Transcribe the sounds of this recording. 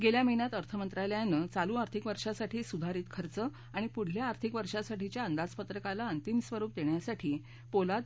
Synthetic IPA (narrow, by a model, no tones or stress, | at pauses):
ɡeljaməɦiɳjat̪əɾt̪ʰəmənt̪ɾaljanːət͡saluaɾt̪ʰikʋəɾʂasaʈʰiːsud̪ʱaɾiːt̪kʰəɾt͡sə | aɽ̃ipuɽ̤ljaːɾt̪ʰikʋəɾʂasaʈit͡ɕjaənd̪ad͡zpət̪ɾəkalaənt̪imsʋəɾuːp̚d̪eɳjasaʈʰiː | polat̪̚